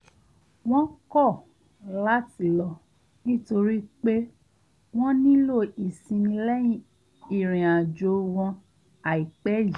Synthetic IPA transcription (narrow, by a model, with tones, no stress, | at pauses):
w̃ɔ̃˦kɔ˦˨ | la˦ti˨lɔ˨ | nĩ˦to˧ɾi˦k͡pe˦ | w̃ɔ̃˦nĩ˦lo˦˨i˨sĩ˧mĩ˧lɛ˦jĩ˦˨ | i˨ɾ̃ĩ˨ã˨d͡ʒo˨˧˦w̃ɔ̃˧ | a˨i˨k͡pɛ˦ji˨